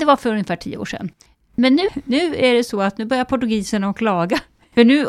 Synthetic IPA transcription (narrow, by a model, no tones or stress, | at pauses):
d̪ɛvaɾfœɾɵnjəfæːʈʰḭːəo̰ːʂɛ̰nː | mɛnːʉ̟ːnʉ̟ːæɖɛsɔat̪nʉːbœɾjaɾpʰʊʈːɵɡiːsənaɔkʰlɑːɡa | fœɳʉ̟ː